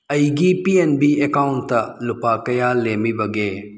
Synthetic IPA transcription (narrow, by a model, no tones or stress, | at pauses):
ɐiɡipienbiekaːʊɳʈt̪ɐlʊpaːkɐjaːleːmibɐɡeː